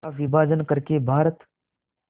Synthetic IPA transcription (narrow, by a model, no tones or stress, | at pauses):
aʋɪbʱaːd͡ʒənkəɾkebʱaːɾət̪